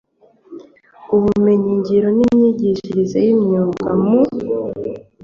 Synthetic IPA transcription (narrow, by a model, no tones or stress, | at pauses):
uβume̞ɲiɲɟiɾo̞nimɲiɟiʃiɾizejimɲuːŋɡamu